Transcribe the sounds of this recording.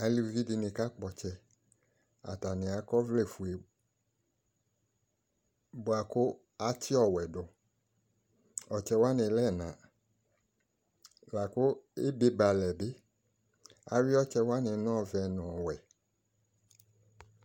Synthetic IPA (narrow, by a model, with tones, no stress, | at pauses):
a˨li˧˦vi˦di˧nĩ˧ka˦k͡pɔ˨t͡ʃɛ˧ | a̰˨ta˨nɪ̃˨a˨˦kɔ˦vle˦˨fu˨e˨ | bo˨a˨ko˦ | a˨tʰi˦ɔ˦˨wɛ˨do˨ | ɔ˨t͡ʃɛ˧wa˦nɪ̃˨lɛ˦˨nã˨ | la˨ko˦e˦be˦ba˨lɛ˨be˦ | a˨wi˦ɔ˦t͡ʃɛ˧wa˦nɪ̃˧˦n˦ɔ̃˦˨vɛ˧nɔ̃˨ɔ˨wɛ˨